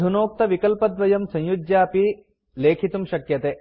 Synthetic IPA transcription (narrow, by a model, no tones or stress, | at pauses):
unoːk̚t̪ɐʋikɐlpɐd̪ʋɐjɐmsɐ̃jjud͡ʒ̪jaːpi | leːkʰit̪umʃɐkjɐt̪eː